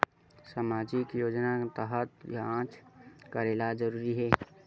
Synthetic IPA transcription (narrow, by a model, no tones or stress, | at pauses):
samaːd͡ʒikjoːd͡ʒnat̪əɦət̪jaãːt͡ʃkəɾeːlad͡ʒəɾuːɾiɦɛː